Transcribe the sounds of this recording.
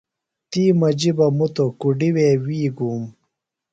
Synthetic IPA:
t̪iːmɐd͡ʑibɐmut̪okuɖiweːwiːɡuːm

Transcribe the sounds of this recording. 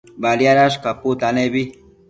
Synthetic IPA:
balijaɾaʃkaput̪anebi

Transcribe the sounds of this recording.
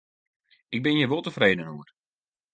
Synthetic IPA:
ɪɡ̚bɪnjəʋolˠtəfreːdənuər

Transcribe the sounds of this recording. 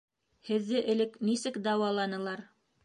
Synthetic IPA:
hɘ̆ðːɘʔɘ̆lɘknisɘkd̪ɑwɑlˠɑnɤ̆lˠɑɾ

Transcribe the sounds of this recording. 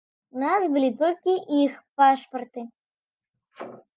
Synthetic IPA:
nasbɨlʲit̪ɔlʲkʲiʔixpaʂpɐrt̪ɨ

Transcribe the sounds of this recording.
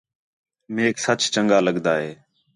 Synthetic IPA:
meːksət͡ʃt͡ʃəŋɡaːləɡd̪aːɦeː

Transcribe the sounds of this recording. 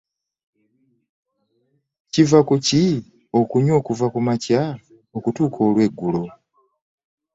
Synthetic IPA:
civakuci | o̞kuɲo̞ːkuvakumaca | okutuːkʰo̞ːlwe̞ːɡːulo̞

